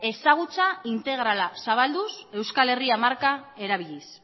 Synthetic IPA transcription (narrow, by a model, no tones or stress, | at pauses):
e̞saɣ̞ut͡saint̪e̞ɣ̞ɾalasaβald̪use̞wskale̞riamaɾkae̞ɾaβiʎis